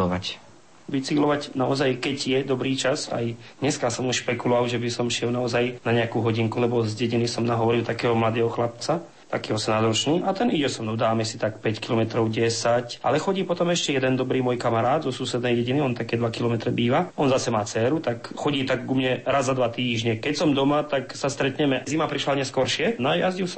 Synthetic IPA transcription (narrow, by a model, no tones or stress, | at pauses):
ʋac | ʋit͡siɡlɔʋacnaɔzajkɛɟjɛd̪ɔbɾiːt͡ʃaza̰j | d̪ɲɛskasɔmuʃpɛkulɔʋaʊʒɛbisɔmʃɪɛlnaɔzajnaɲɛakuːɦɔɟiŋkulɛbɔzɟɛɟinisɔmnaɦɔʋɔɾilt̪akɛːɦɔmlad̪ɛːɦɔxlap̚t͡sa | t̪akiːɦɔsɛmnazɾɔt͡ʃniːʔat̪ɛniɟɛsɔmnɔd̪aːmɛsit̪ak̚pɛckilɔmɛt̪ɾɔʊɟɛsacʔa̰lɛxɔɟiːpɔt̪ɔmɛʃcɛjɛd̪ɛnd̪ɔbɾiːmɔjkamaɾaːd̪zɔsusɛd̪nɛjɟɛɟiniɔnt̪akɛːd̪ʋakilɔmɛt̪ɾɛbiːʋaɔnzasɛmaːt͡sɛːɾut̪ak | xɔɟiːt̪aɡːumɲɛɾazːad̪ʋat̪iːʒɲɛkɛcsɔmd̪ɔmat̪aksast̪ɾɛt̪ɲɛmɛzimapɾiʃlaɲɛskɔɾʃɪɛnajazɟis